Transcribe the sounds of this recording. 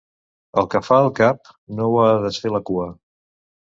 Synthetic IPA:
əlˠkəfaəlˠkap̚ | nowaðəsfeləkuə

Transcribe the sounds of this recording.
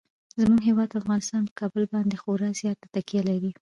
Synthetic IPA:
zmuɡɦewɑd̪afɣɑnɪst̪ɑnpə̥kɑbəlbɑnd̪exoɾɑzjɑt̪ḁt̪akjalaɾi

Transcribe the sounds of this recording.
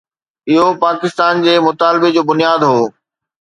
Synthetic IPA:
ɪɦopaːkɪst̪aːnd͡ʑeːmʊt̪aːlbed͡ʑoːbʊnijaːd̪ɦoː

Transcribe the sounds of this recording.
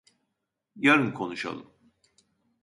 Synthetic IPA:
jaɾɯnkʰo̞nuʃa̰lˠɯm

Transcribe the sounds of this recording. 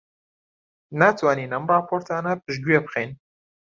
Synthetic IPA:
nat̪ʰwaːniːnɐmrɑːpʰoɾt̪ʰaːnɐpɨʒɡwepqejn

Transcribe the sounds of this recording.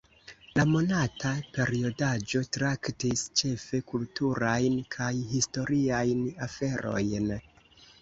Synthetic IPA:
lamo̞natape̞ɾio̞dad͡ʒo̞tɾaktist͡ʃe̞fe̞kultuɾajnkʰajhisto̞ɾiajnafe̞ɾo̞̰jn

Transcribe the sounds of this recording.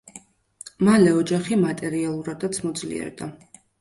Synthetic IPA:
malɛɔd͡ʒaχimat̪ʼɛɾialˠuɾad̪at̪sʰmɔd̪zlḭɛ̰ɾd̪a

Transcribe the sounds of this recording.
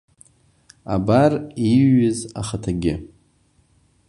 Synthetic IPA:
a̰bariɥɪzaχatʰaɡʲɪ

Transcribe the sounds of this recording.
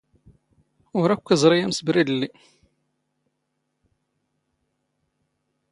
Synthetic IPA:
ʊɾækʷːəzˤɾˤijæmsəbɾid̪əlːi

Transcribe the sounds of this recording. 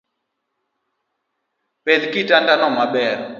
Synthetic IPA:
peðikitʼandanɔmaɓɛːɾɔ

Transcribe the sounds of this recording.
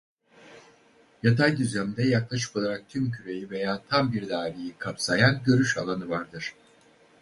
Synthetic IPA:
jat̪ʰajd̪yzlʲæmd̪ɛjaklˠaʃ̬ɯ̥po̞lˠaɾak̚t̪ʰymcʰyɾe̞jive̞jaːt̪ʰambiɾd̪aːɾijikʰapsajanɟø̞ɾyʃa̰lˠanɯvaɾd̪ɯɾ̥

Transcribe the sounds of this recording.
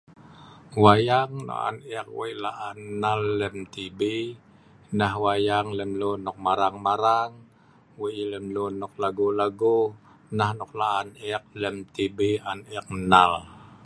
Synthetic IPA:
wajaŋno̰ʔa̰nɛk̚wa̰jlaʔanːalːɛmt̪ibi | nahwajaŋlɛmlonʊk̚maɾaŋmaɾaŋ | wuilɛmlunʊk̚laɡulaɡu | nahnʊk̚laʔanɛk̚lɛmt̪ibianɛk̚nal

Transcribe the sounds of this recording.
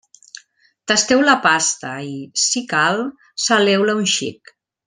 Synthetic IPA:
t̪ast̪ɛwlapast̪aisikal | salɛwlaunʃḭk

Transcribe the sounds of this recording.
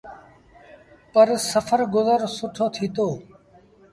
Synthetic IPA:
pəɾsəfʰəɾɡʊzəɾsʊʈʰoːt̪ʰiːt̪oː

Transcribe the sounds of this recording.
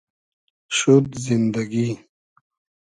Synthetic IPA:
ʃud̪zind̪aɡi

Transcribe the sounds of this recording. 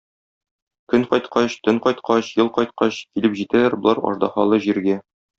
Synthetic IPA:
kɵɴqɒjt̪qʰɑɕt̪ɵɴqɒjt̪qʰɑɕjɤlˠqɒjt̪̚qɑɕkilɘpʑit̪ælæɾbŏlˠɑɾɒ̰ʒd̪ɑχɑlˠɤʑiɾɡæ

